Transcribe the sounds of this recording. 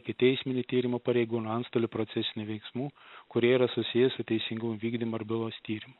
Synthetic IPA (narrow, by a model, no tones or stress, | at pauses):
kʲɪt̪ʲɛɪsʲmʲɪnʲɪt̪ʲiːɾʲɪmoːpɐɾʲɛɪɡuːnoɐnst̪oːlʲɪpɾoːt̪sʲɛsʲɪnʲʊʋʲɛɪksmuːkʊɾʲiɛiɾɐsʊsʲɪjɛsʊt̪ʲɛɪsʲɪŋɡʊmʋʲiːɡd̪ʲimoɐɾbʲɪlˠoːst̪ʲiːɾʲɪmʊ